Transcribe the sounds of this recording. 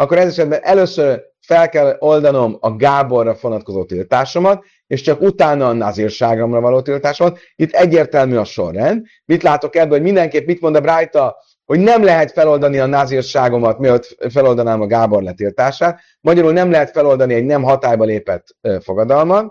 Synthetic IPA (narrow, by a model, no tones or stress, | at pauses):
ɒkːo̞ɾɛzɛʃɛd̪̚bɛnʔɛløːsør | fɛlkɛlo̞ld̪ɒno̞mɒɡaːbo̞rːɒfonɒt̪̚ko̞zoːt̪ilt̪aːʃo̞mɒt̪̚ | eʃt͡ʃɒkut̪aːnɒːnazirʃaːɡomrɒvɒloːt̪ilt̪aːʃomɒt̪ | it̪ːɛɟːeːrt̪ɛlmyːɒʃo̞̰rːɛnd̪ | mit̪laːt̪o̞kɛbːɛomind̪ɛŋkeːpmit̪mo̞nd̪ɒbɾaːjt̪ɒ | ho̞ɟnɛmlɛɦɛt̪fɛlo̞ld̪ɒniɒnazirʃaːɡo̞mɒt̪miøt̪fɛlo̞ld̪ɒnaːmɒɡaːbo̞rlɛt̪ilt̪aːʃaːt̪ | mɒɟɒɾulnɛmlɛɦɛt̪fɛlo̞ld̪ɒniɛɟnɛmɦɒt̪aːjbɒleːpɛt̪ːøfo̞ɡɒd̪ɒlmɒn